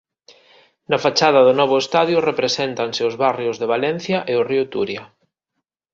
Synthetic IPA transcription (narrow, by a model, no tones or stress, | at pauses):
nɐfat͡ʃað̞ɐðʊnɔβ̞ʊest̪aðjʊrepɾesent̪ansɪʊzβarjʊzðeβ̞alɛn̟θjaʔeʊriʊt̪uɾjɐ